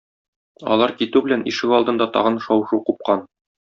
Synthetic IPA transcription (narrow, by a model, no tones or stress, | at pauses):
ɒ̰lˠɑɾkit̪ʉbɘ̆lænʔḭʃɘkɒlˠd̪ɤ̆nd̪ɑt̪ɒ̰ʁɤnʃɒwʃuqup̚qɑn